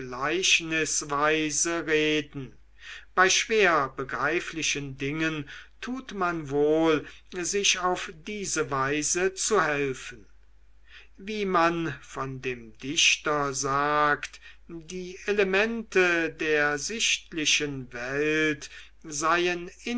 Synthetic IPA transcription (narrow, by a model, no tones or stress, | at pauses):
ɡlaɪʃnɪsvaɪzəʁeːdn̩ | b̥aɪʃv̥eːɐbəɡʁaɪflɪʃəndɪŋəntʰuːtmanvoːlzɪʃaʊfd̥iːzəvaɪzət͡suhɛlfən̩ | viːmanfɔndeːmdɪʃtɐzaːktdiːʔelemɛntʰədeːɐzɪʃtlɪʃənvɛlt | zaɪənɪ